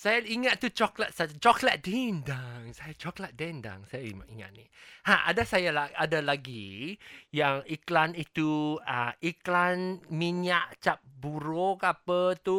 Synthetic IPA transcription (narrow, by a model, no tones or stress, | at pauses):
sajaiŋat̪̚tːut͡ʃɔklat̪̚sat͡ʃɔklat̪̚dindaŋsajat͡ʃɔklat̪̚dɛnda̰ŋsajaḭma̰ʔiŋa̰t̪̚nihãʔa̰dasajalaadalaɡi | jaŋiklanit̪uaiklanmiɲaʔt͡ʃap̚buɾokapət̪u